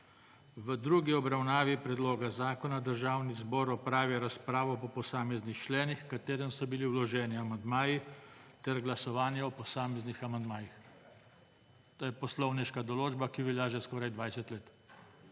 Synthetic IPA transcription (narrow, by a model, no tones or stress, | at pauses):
ʋəd̪ɾuːɡiɔbɾawnaːʋipɾɛd̪loːɡazaːkɔnad̪əɾʒaːwnizbɔːɾɔpɾaːʋjɛɾaspɾaːʋɔpɔpɔsaːmɛznixt͡ʃlɛːnixkat̪eːɾənsɔbiliwlɔʒɛːniamand̪maːjit̪ɛɾɡlasɔʋaːnjɛɔpɔsaːmɛznixamand̪maːjix | t̪oːjɛpɔslɔwniʃkad̪ɔloːd͡ʒbakiʋɛljaʒɛskɔːɾajd̪ʋajsɛt̪leːt̪